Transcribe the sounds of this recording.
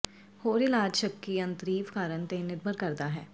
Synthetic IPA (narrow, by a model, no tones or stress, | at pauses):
hoːɾɪlaːd͡ʒʃəkːiɐ̃nt̪ɾiːfkaːɾənt̪eːnɪɾbʱəɾkɐɾd̪aɦɛː